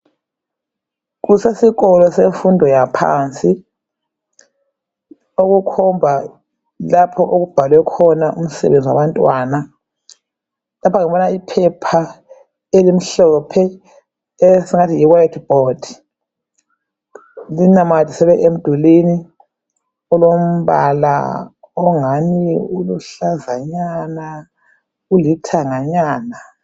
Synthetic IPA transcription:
k̬usesiɣɔlɔseɱfundʱɔjapʰa̰ːnt͡sʼi | oɣukʰɔmbʱa | lapʰɔʔoɣub̥ʱalwɛkʰɔnaʔum̩sɛ̰βend͡zʱiwa̰βantʼwaːna | lapʰaŋiɓɔnaipʰɛpʰa | elim̩ɬɔpʰɛ | esiŋatʰijiwajtʰb̥ɔd̥ʱ | linamad̥ʱisɛβɛʔem̩d̥ʱulini | ɔlom̩βala̰ | ɔŋaniuluɬazaɲana | ulitʰaŋaɲaːna

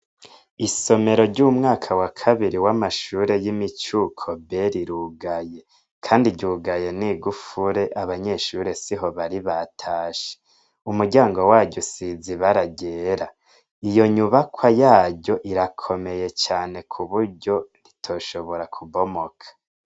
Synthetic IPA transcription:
iso̞me̞ɾo̞ɾɟuːmŋaːkʰawakʰaβiɾiwamaʃuːɾe̞jimit͡ʃukʰo̞beɾiɾuɡaje̞ | kʰaːndiɟuɡaje̞niːɡufuɾe̞ʔaβaɲe̞ʃuːɾe̞siɦo̞βaɾiβatʰaːʃe̥ | umuɟaːŋɡo̞waːɟosiziβaɾaɡeːɾa | ijo̞ɲuβakʰwajaːɟɟo̞ʔiɾakʰo̞me̞je̞t͡ʃaːne̞kʰuβuɾɟo̞ɾitʰo̞ːʃo̞βo̞ɾakʰuβo̞mo̞kʰḁ

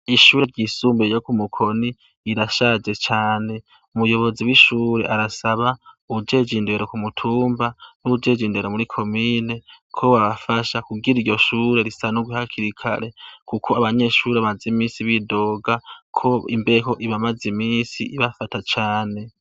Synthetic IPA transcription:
iʃuːɾeɾɟisuːmbejokumukʰo̞niː | ɾaʃad͡ʒe̞t͡ʃaːne̞ | umβujo̞βo̞ziwiʃuːɾeʔaɾasaβauud͡ʒe̞d͡ʒinde̞ɾo̞kumutʰuːmbanuud͡ʒe̞d͡ʒinde̞ɾomuɾikʰo̞miːne̞ | kʰo̞waβafaʃakuɡiɾiɾɟo̞ʃuːɾe̞ɾisanuɡwihakʰiɾikʰa̰ɾe̞kukʰoaβaɲe̞ʃuɾeaβazimiːsiβido̞ːɡakʰo̞ḭmbeko̞ʔiβamazimiːsiʔiβafatat͡ʃaːne̞

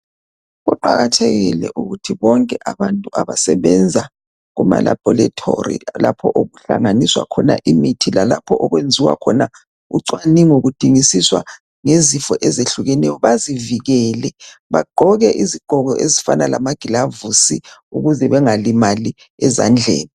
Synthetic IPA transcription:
ɣuǃaɣatʰeɣḭlɛ̰ʔuɣutʰiβɔŋkʼɛʔaβantʼuaβasɛβɛnd͡zʱa | ɣuma̰la̰b̥ʱɔlatʰorḭla̰pʰɔʔoɣuɬa̰ŋaniswa̰kʰɔna̰ʔimitʰilalapʰɔʔɔɣwend͡zʱiwa̰kʰɔna | uǀwaniŋoɣud̥ʱiŋisiswa̰ | ŋezifɔʔɛzeɬuɣɛnɛjɔβaziviɣɛːlɛβaɡ͡ǃʱɔɣɛʔiziɡ͡ǃ̥ʱɔɣɔʔezifanalamaɡ̥ʱilavusiuɣuzɛβɛŋalimali | ɛza̰nd͡ɮʱḛːni

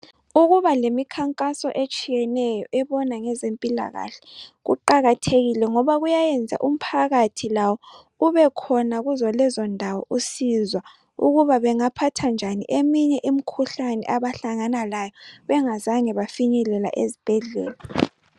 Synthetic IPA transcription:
uɣuβalemikʰaŋkʼasɔ̰ʔet͡ʃʼijɛnɛjɔʔɛβɔnaŋɛzempʼila̰ɣa̰ɬɛ̥ɣṵǃaɣatʰeɣilɛŋɔβaɣujajɛnd͡zʱa̰ʔum̩pʰaɣatʰilawɔ | uβɛkʰɔnaɣuzɔlɛzɔndʱawɔʔusizwa | ṵɣuβaβɛŋapʰatʰand͡ʒʱanḭʔemiɲɛʔimikʰuɬanɛ̰ʔaβaɬaŋanalajɔβɛŋazaŋɛβafiɲɛlɛla̰ʔezib̥ʱɛɮɛ̰ːla

